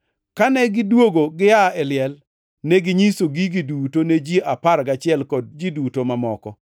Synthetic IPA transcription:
kanɛɡɪdwoɡoɡɪaɛlɪɛl | nɛɡɪɲisoɡiɡidutoned͡ʒiʔapaɾɡat͡ʃɪɛlkɔd̚d͡ʒidutomamɔkɔ

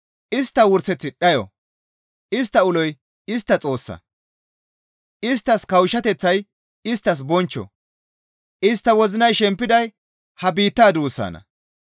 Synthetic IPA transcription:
ʔɪst̪ːɐwʊɾsɛt͡sːɪɗɐjɔ̰ | ʔɪst̪ːɐʊlɔj | ɪst̪ːɐt͡sʼo̞ːsːɐ̰ | ʔɪst̪ːɐskɐwʃːɐt̪ɛt͡sːɐj | ɪst̪ːɐs̬bɔnt͡ʃːɔ̰ | ʔɪst̪ːɐwɔzɪnɐjʃɛmpːɪd̪ɐj | hɐbiːt̪ːaːd̪uːsːa̰ːnɐ̰

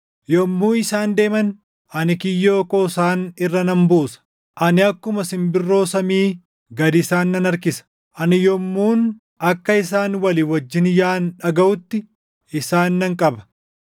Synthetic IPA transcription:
jɔmːuːɪsaːnd̪e̞ːmɐn | ʔɐnɪkɪjːoːkoːsaːnɪrːɐnɐmbuːsɐ̥ | ʔɐnɪɐkːʊmɐsɪmbɪrːo̞ːsɐmiː | ɡɐd̪ɪsaːnːɐnɐɾkɪsɐ̥ | ʔɐnɪjɔmːuːn | ɐkːɐɪsaːnwɐlɪwɐd͡ʒːɪnjaːnᶑɐɡɐʔʊt̪ːɪ | ɪsaːnːɐŋkʼɐbɐ̥

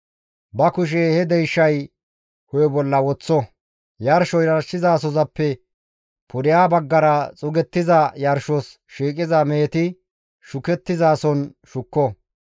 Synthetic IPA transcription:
bɐkʊʃ̬ɛhɛd̪ɛjʃːɐj | hɔjɔbɔlːɐwɔt͡sːɔ | jɐɾʃɔjɾɐɾʃɪzaːsɔzɐpːɛ | pʰʊɾɪjaːbɐɡːɐɾɐt͡sʼʊɡɛt̪ːɪzɐjɐɾʃɔs | ʃiːkʼɪzɐmeːt̪ɪ | ʃʊkɛt̪ːɪzaːsɔnʃʊkːɔ

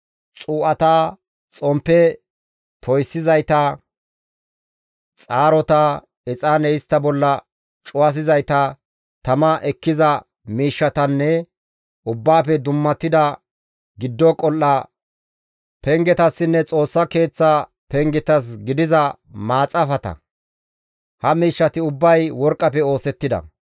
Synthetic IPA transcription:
t͡sʼuːʔɐt̪aː | t͡sʼɔmpːɛ | t̪ʰɔjsːɪzɐjt̪ɐ | t͡sʼaːɾɔt̪ɐ | ɛt͡sʼanɛjɪst̪ːɐbɔlːɐ | t͡ʃʼʊwɐs̬ɪzɐjt̪ɐ | t̪ɐmɐʔɛkːɪzɐ | miːʃːɐt̪ɐnːɛ | ʊbːaːpɛd̪ʊmːɐt̪ːɪd̪ɐ | ɡɪd̪ːɔkʼɔlːa | pɛŋɡɛt̪ɐsːɪnːɛt͡sʼo̞ːsːɐke̞ːt͡sːa | pɛŋɡɛt̪ɐs̬ɡɪd̪ɪzɐ | maːt͡sʼɐfɐt̪ɐ̰ | hɐmiːʃːɐt̪ɪʊbːɐjwɔɾkʼːɐpɛo̞ːsɛt̪ːɪd̪ɐ̰

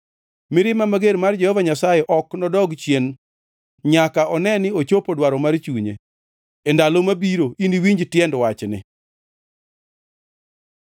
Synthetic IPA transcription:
mɪɾɪmamaɡeɾmard͡ʒɛhɔvaɲasajɛʔɔknɔdɔɡt͡ʃjen | ɲakaɔnɛnɪot͡ʃopodwaɾɔmart͡ʃuɲḛ | endalomabiɾoiniwiɲd͡ʒtjɛndwat͡ʃnɪ̰

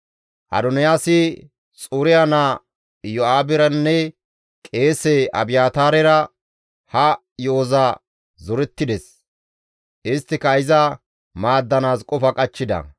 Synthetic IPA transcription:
ʔɐ̰d̪ɔnɪjaːsɪ | t͡sʼuːɾɪjanaː | jɔaːbɪɾɐnːɛ | kʼe̞ːsɛɐ̰bɪjaːt̪aːɾɛɾɐ | hɐ | joːza | zɔɾɛt̪ːɪd̪ɛs | ʔɪst̪ːɪkɐɪzɐ | maːd̪ːɐnaːskʼɔfɐkʼɐt͡ʃːɪd̪ɐ̰

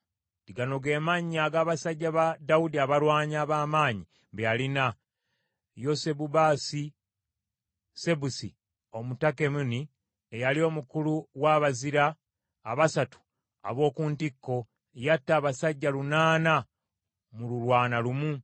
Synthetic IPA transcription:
tiɡano̞ɡe̞ːmaɲaɡaːβasaɟːaβadaudiaβalwaːɲaːβaːmaːɲi | βejalina | jo̞se̞bubaːsi | se̞busi | o̞mutake̞muni | ejalio̞mukuluwaːβaziɾaː | βasatu̥ | a̰βo̞ːkuːntikːo̞ | jatːaːβasaɟːalunaːna | mululwaːnalumu

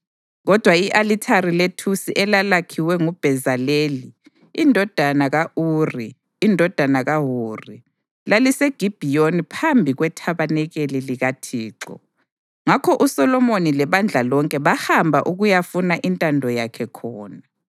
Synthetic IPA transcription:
ɣɔd̥ʱwaiʔalitʰaɾiletʰusiʔɛlalakʰiwɛŋub̥ʱɛzaleːliː | ndʱɔd̥ʱanaɣaʔuːriː | ndʱɔd̥ʱanaɣaɦuːri | laliseɡ̥ʱib̥ʱijonipʰambʱiɣwɛtʰaβanɛɣeliliɣatʰiːǁɔ̰ | ŋakʰɔʔusɔlɔmonilɛβand͡ɮʱalɔŋkʼɛβahambʱaʔuɣujafunaʔintʼandʱɔjakʰɛkʰɔːna

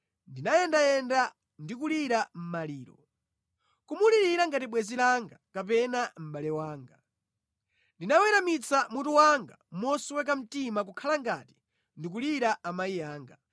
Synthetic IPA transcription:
ndinajɛndajɛnda | ndik̬uliɾam̩maliːɾɔ̰ | kumuliɾiɾaŋɡatiɓwɛzilaŋɡakapɛnam̩ɓalɛwaːŋɡa | ndinawɛɾamit͡samutuwaŋɡa̰mɔswɛk̬am̩timak̬ukʰalaŋɡati̥ | ndik̬uliɾaʔamaijaːŋɡa

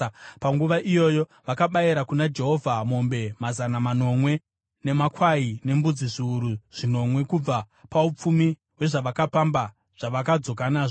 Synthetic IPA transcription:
paŋɡuʋaʔijo̞jo̞ʋakaɓaiɾakunad͡ʒe̞ɦo̞vʱamo̞mbe̞mazanamano̞mwe̞ | ne̞makwaine̞mbud͡ziʐiːɾuʐ̥ino̞mwe̞kub͡va | paup͡fumi | we̞ʐaʋakapamba | ʐ̥aʋakad͡zo̞k̬anaːʐo

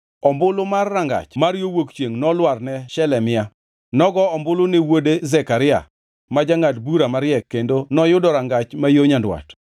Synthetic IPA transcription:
ɔmbʊlomarːaŋɡa̰t͡ʃmaɾjowokt͡ʃjeŋnɔlwarnɛʃɛlɛmɪa | nɔɡɔɔmbʊlonewodezɛkaɾɪa̰ | mad͡ʒaŋatbuɾamaɾjɛkːendonɔjʊdɔɾaŋɡat͡ʃmajoɲandwa̰t

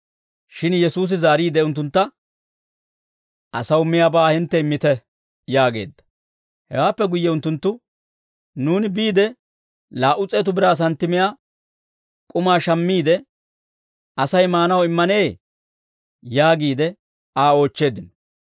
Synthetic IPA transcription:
ʃɪnjɛsuːs̬ɪzaːɾiːd̪ɛʊnt̪̬ːʊnt̪ːɐ | ʔɐsɐwmɪjaːbaːhɪnt̪ːɛɪmːɪt̪ɛ | jaːɡe̞̰ːd̪ːɐ̥ | hɛ̰waːpːɛɡʊjːɛʊnt̪ːʊnt̪ːʊ | nuːnɪbiːd̪ɛ | laːʔʊt͡sʼeːt̪ʊbɪɾaːs̬ɐnt̪ːɪmɪjaː | kʼʊmaːʃɐmːiːd̪ɛ | ɐsɐjmaːnɐwɪmːɐne̞ː | jaːɡiːd̪ɛ | aːo̞ːt͡ʃːe̞ːd̪ɪnɔ

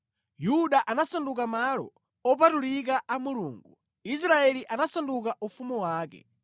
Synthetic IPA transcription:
juɗaʔanasandukamalɔ̰ | ɔpatuɾik̬aʔamuluːŋɡu | is̬ɾaɛliʔanasandukaʔufumuwaːkɛ̰

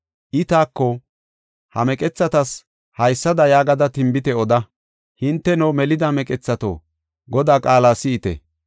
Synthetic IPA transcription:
ʔɪt̪aːkːɔ | hɐ̰mɛkʼɛt͡sːɐt̪ɐs | hɐjsːɐd̪ɐjaːɡɐd̪ɐt̪ɪmbɪt̪ɛɔd̪ɐ | hɪnt̪ːɛnɔmɛlɪd̪ɐmɛkʼɛt͡sːɐt̪o̰ː | ɡɔd̪aːkʼaːlaːsɪɪt̪ɛ̰

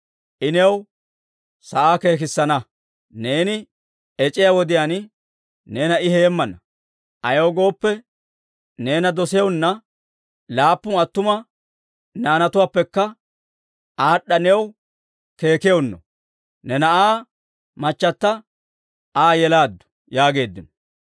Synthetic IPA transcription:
ʔɪnɛw | sɐʔaːke̞ːk̬ɪsːɐnɐ | ne̞ːnɪ | ɛt͡ʃʼɪjawɔd̪ɪjaːn | ne̞ːnɐɪheːmːɐnɐ | ʔɐjowɡo̞ːpːɛ | ne̞ːnɐd̪ɔsɛjɔwnːɐ | laːpːʊnɐt̪ːʊmɐ | naːnɐt̪ʊwaːpːɛkːɐ | ʔaːɗːɐnɛw | ke̞ːkɪjownːɔ̰ | nɛnɐʔaː | mɐt͡ʃːɐt̪ːɐ | aːjɛlaːd̪ːʊ̥ | jaːɡe̞ːd̪ːɪnɔ̥

